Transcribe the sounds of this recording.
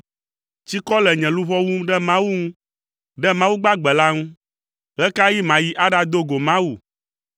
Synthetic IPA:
t͡ɕi˦kɔ˦lɛ˨ɲɛ̃˨lu˦βɔ˦wu˦ɖɛ˦mã˦wu˦ŋũ˦ | ɖɛ˦mã˦wu˦ɡ͡ba˦ɡ͡bɛ˨la˦ŋũ˦ | ɣɛ˦ka˦ji˦mã˨ji˦ʔa˦ɖa˦d̪o˦ɡo˨mã˦wu˨

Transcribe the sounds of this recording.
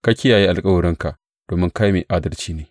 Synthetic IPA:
ka˦kʲɪ˦ja˨ji˦ʔa˨lkʼɐ˦wʊ˨ɽɪ˦ŋka˨ʔ | d̥oː˨mɪ˦ŋka˦jmeː˨ʔaː˦dɐ˦rt͡ʃiː˦neː˨˦

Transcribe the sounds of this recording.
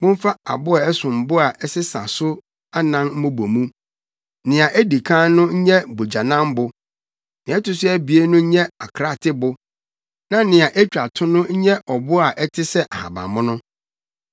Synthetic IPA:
mʊ̃˦m̩˦fa˦a̰˨bʊ˦a˨ɛ˦sʊ̃˨m̩˨bʊ˦a˨ʔɛ˦sɪ˦sã̰˨sʊ˦ | a˦nã˦nm̩˦mʊ̃˦bo˨mũ˦ | nɪ̃˨a˨ʔæ˦di˨kʰã˦nʊ̃˦ɲ̩˦ɲɛ˦bo˨d͡ʑa˨nã˦m˦bʊ˨ | nɪ̃˨ɛ˦tʊ˦sʊ˦ɛ˦bi˨e˦nʊ̃˦ɲ̩˦ɲɛ̃˦a˨kʰɾa˦˨tʰɪ˦bʊ˦ | nã˨˦nɪ̃˨a˨ʔæ˦t͡ɕᶣa˨tʰʊ̃˦nʊ̃˦ɲ̩˦ɲɛ̃˦ʔɔ˨bʊ˦a˨ʔɛ˦tʰɪ˦sɛ˦ʔa˨hã̰˨bã̰˨mʊ̃˦nʊ̃˦

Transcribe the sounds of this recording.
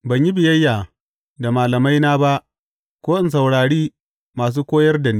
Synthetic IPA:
bɐ˨ɲji˦bɪ˨jɐ˦jːaː˨ | da˨maː˨lɐ˨ma˦jnaː˦ba˦ʔ | kʷoː˦ʔɪ˦ns̬ɐ˨wɽaː˨ɽiː˦ | maː˨s̬uː˦kʷoː˦jɐ˦rdɐ˨niː˦

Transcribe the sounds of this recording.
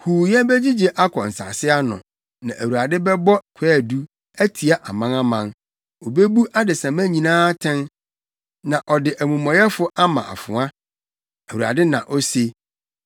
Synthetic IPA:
huː˨jɛ˦bɛ˦d͡ʑi˦d͡ʑe˨ʔa˦kʰɔ˨n̩˨sa̰˨sɪ˦a˦nʊ̰̃˨ | nã̰˨ʔæ˨wu˨ɾa˨dɪ˦bɛ˦bɔ˦kʰɛ˦˨du˦ | æ˦tʰi˨a˦˨ʔa˨mã˦nã˦mã˨n | o˨be˦bu˦ʔa˦dɪ˨sã˨mæ̃˦ɲĩ˨nãː˦tʰɛ̃˦n | nã˨ʔɔ˨dɪ˨ʔæ˨mũ˨mɔ̃˨jɛ˦fʊ˦ʔa˦mã̰˨ʔa̰˨fʊ̃˨ã˦ | æ˨wu˨ɾa̰˨dɪ˦nã̰˨ʔɔ˦se˦

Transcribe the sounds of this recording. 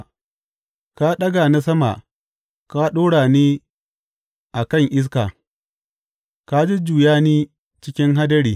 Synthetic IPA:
ka˦ɗɐ˦ɡa˨na˦s̬ɐ˦ma̰˨ | ka˦ɗoː˦ɽaː˨niː˦ | ʔa˨kɐ˦˨ŋʔɪ˦s̬kaː˨ | ka˦d͡ʒi˦d͡ʒuː˨jaː˦niː˦ | t͡ʃɪ˦kʲɪ˦ŋɦa˦dɐ˦ɽiː˨

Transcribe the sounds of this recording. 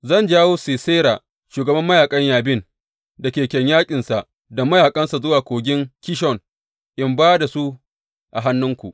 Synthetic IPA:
zɐ˦˨nd͡ʒaː˦woː˦siː˨se˦ɾaː˨ | ʃuː˨ɡɐ˨bɐ˦mːɐ˦jaː˨kʼɐ˦ɲjaː˨bɪ˦˨n | da˨kʲeː˨kʲɛ˨ɲjaː˦kʲʼɪ˨nsa˨ʔ | da˨mɐ˦jaː˨kʼɐ˦nsa˨zʊ˦waː˨kʷoː˨ɡʲɪ˦ŋkʲɪ˦ʃ̬ɔ˨n | ʔɪ˦mbaː˦da˨su˦ | ʔa˨ɦa˦nːʊ˦ŋkʷṵ˨ʔ

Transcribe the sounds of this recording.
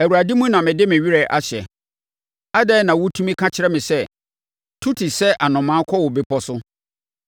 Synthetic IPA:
æ˨u˨ɾa˨dĩ˦mũ˦nã˨mɪ̃˨dɪ˦mɪ̃˨ɥi˦ɾɛ˨ʔa˦ɕɛ̰˨ | a˦dɛː˦nã˨wʊ˦tʰũ˦mĩ˦kʰã˦t͡ɕʰɪ˦ɾɛ˦mɪ̃˨sɛ˦ | tʰu˦tʰi˨sɛ˦ʔa˨nʊ̃˨mã˨˦kʰɔ˦wʊ˨bɪ˦pʰɔ˦sʊ˦

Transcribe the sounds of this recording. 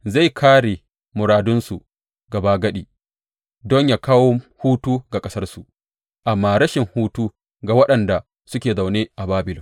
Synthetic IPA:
za˦˨jkʰaː˦ɽe˨ | mʊ˨ɾaː˨dʊ˦nsu˨ | ɡɐ˨baː˦ɡɐ˦ɗiː˨ | dɔ˦ɲjaː˨kaː˦woː˦huː˦tuː˦ɡa˨kʼɐ˦sɐ˦rsu˨ | ʔa˨mːaː˦ɾɐ˦ʃɪ˨ŋhuː˦tuː˦ | ɡa˨wɐ˦ɗɐ˨nda˨ | sʊ˦kʲeː˨za˨wneː˦ʔa˨baː˦bɪ˨lɔ˨

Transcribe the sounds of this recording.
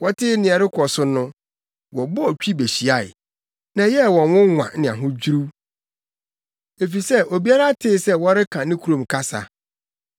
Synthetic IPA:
wɔ˦tʰɪ˦nɪ̃˨ɛ˨ɾɪ˦kʰɔ˨sʊ˦nʊ̃˦ | wɔ˨bʊ˦ɔ˨t͡ɕᶣi˦be˨ɕi˨a˦˨ɪ̰˨ | nã˨jɛ˦˨wɔ̃˨nwʊ̃˦ŋʷã̰˨nɪ̃˨ã̰˨ɦʊ̃˦d͡ʑᶣu˦ɾu˦ | e˨fi˨sɛ˦ʔo˨bi˦a˦ɾa˦tʰɪː˦sɛ˦wɔ˦ɾɪ˦kʰã˨nɪ̃˦kʰu˦ɾõ˨mkʰa˦sa̰˨

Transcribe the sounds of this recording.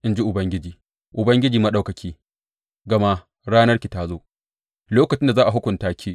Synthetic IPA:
ʔɪ˦nd͡ʒi˦ʔʊ˨bɐ˦ŋɡʲɪ˦d͡ʒiː˨ | ʔʊ˨bɐ˦ŋɡʲɪ˦d͡ʒiː˨mɐ˦ɗa˦wkɐ˨kʲʰiː˦ | ɡɐ˨ma˦ | ɽaː˦nɐ˦rkʲi˨ta˦zoː˦ | loː˦kɐ˨t͡ʃɪ˦nda˨zaː˦ʔa˨ɦʊ˦kʷʊ˨ntaː˦kʲiː˦

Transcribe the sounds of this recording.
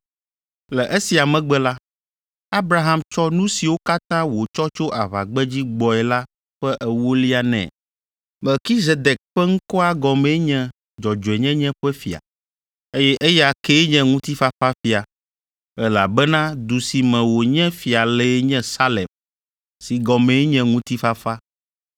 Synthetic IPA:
lɛ˨ʔe˦si˨a˨mɛ̃˨ɡ͡bɛ˦la˦ | a˦bɾa˦ɦã˨mt͡ʃɔ˦nũ˦si˨wo˦ka˦t̪ã˦wo˨t͡ʃɔ˦t͡ʃo˦ʔa˨βa̰˨ɡ͡bɛ˦d͡ʑi˦ɡ͡bɔ˨ɛ˨la˦ | ɸɛ˦ʔɛ˨wo˦li˦a˨nɛ̰̃˨ | mɛ˨lki˦ze˨d̪ɛ˨k̚ɸɛ˦ŋ̩̃˦kɔ˦a˦ɡɔ˨mẽ˦ɲɛ̃˦ | d͡ʒɔ˨d͡ʒɔ˨ɛ˨ɲɛ̃˦ɲɛ̃˦ɸɛ˦fi˨a̰˨ | e˦jɛ˦ʔe˦jɛ˦a˨ke˦ɲɛ̃˦ŋũ˦t̪i˦fa˦fa˦fi˨a˨ | ɛ˦la̰˨bɛ˦nã˦d̪u˨si˨mɛ̃˨wo˨ɲɛ̃˦fi˨a˨le˨˦ɲɛ̃˦sa˦lɛ˨m | si˨ɡɔ˨mẽ˨˦ɲɛ̃˦ŋũ˦t̪i˦fa˦fa˦

